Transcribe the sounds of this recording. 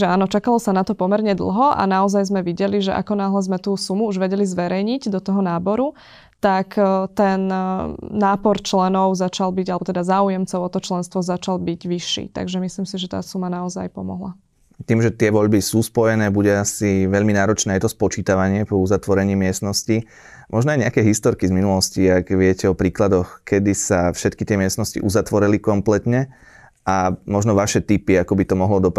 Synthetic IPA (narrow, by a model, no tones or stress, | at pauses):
ɛaːnɔt͡ʃakalɔsanat̪ɔpɔmɛɾɲɛd̪l̩ˠɦɔʔa̰naɔzajzmɛʋiɟɛliʒɛʔa̰kɔnaɦlɛzmɛt̪uːsumuuʒʋɛɟɛlizʋɛɾɛjɲiɟd̪ɔt̪ɔɦɔnaːbɔɾu | t̪akt̪ɛnː | aːpɔɾt͡ʃlɛnɔʊzat͡ʃalbiɟalɛbɔt̪ɛd̪azaːujɛmt͡sɔʊɔt̪ɔt͡ʃlɛnst̪ʋɔzat͡ʃalbiɟʋiʃːḭːt̪a̰ɡʒɛmisliːmsiʒɛt̪a̰ːsumanaɔzajpɔ̰mɔ̰ɦla | t̪iːmʒɛt̪ɪɛʋɔʎbisuːspɔjɛnɛːbuɟɛasiʋɛʎminaːɾɔt͡ʃnɛːajɛt̪ɔspɔt͡ʃiːt̪aʋaɲɪɛpɔuzat̪ʋɔɾɛɲiːmɪɛst̪nɔsci | mʔɔʒnɔajɲɛakɛɦist̪ɔɾkizminulɔsciaɡʋɪɛcɛɔpɾiːklad̪ɔxkʰɛd̪isafʃɛt̪kit̪ɪɛmɪɛst̪nɔscḭʔuzat̪ʋɔɾɛlikɔmplɛt̪ɲɛ | ʔamɔʒnɔʋaʃɛt̪ipiakɔbit̪ɔmɔɦlɔd̪ɔp